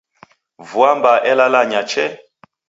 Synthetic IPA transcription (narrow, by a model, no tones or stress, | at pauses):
vuambaʔɛlalaɲat͡ʃɛ